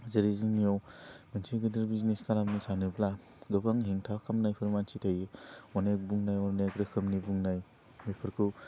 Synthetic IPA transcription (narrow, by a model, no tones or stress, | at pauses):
zɐɾizɯmijawmɐnsʰiɡɯndɯɾbizneskalamnisanɯbla | ɡɯbaŋɦeŋtʰakʰamnajpʰɯɾmansʰitʰajɯwanajbuŋnajɔɾnakɾɯkʰɯmnibuŋnaj | mipʰɯɾkʰu